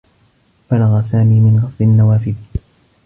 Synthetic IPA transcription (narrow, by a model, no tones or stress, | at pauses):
b̥alaɣasaːmiːmɪnɣɑsˤlɪʔanːawaːfɪd